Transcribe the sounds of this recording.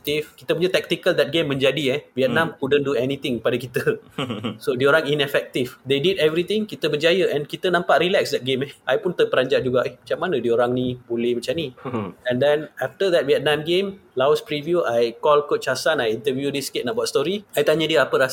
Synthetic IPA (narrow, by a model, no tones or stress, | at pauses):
t̪ifkit̪əpuɲət̪ɛk̚t̪ikəld̪ɛt̚ɡemːɛ̃nd͡ʒadiɛwiɛt̚nãmkudənduɛnĩt̪ĩŋkəpadakit̪ə | sodiəoɾaŋinɛfɛk̚t̪ifd̪edidɛvɾit̪ɪ̃ŋkit̪əbəd͡ʒajəʔɛ̃nkit̪ənãmpaʔɾilɛksdɛt̚ɡemɛʔajpʊnt̪əpəɾaɲd͡ʒaʔd͡ʒuɡaʔɛhmat͡ʃamːanə̃diəoɾaŋnĩbolɪhmat͡ʃamniɛ̃ndɛ̃naft̪əd̪ɛt̚wiɛt̪̚nãmɡẽmlawspɾivjuʔajkɔlkut͡ʃasanajint̪əvjudiskɪt̪̚nãbaatst̪ɔɾiajt̪aɲədiəapəɾas